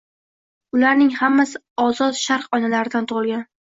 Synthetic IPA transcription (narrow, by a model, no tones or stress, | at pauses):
ʊlaɾnɪŋhamːasɪ | ɒzɒt̪ʃaɾqɒnalaɾɪd̪ant̪ʰʊʁɨlˠɡʲan